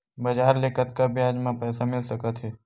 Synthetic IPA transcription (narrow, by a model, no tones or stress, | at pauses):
bəd͡ʒaːɾleːkət̪kabʱjaːd͡ʒmãpɛːsamɪlsəkət̪ɦɛː